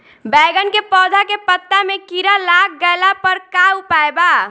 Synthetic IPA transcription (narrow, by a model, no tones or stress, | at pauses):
bɛːɡənkepɔːd̪ʱakepət̪ːamekiɾalak̚ɡəlapəɾkawpaeba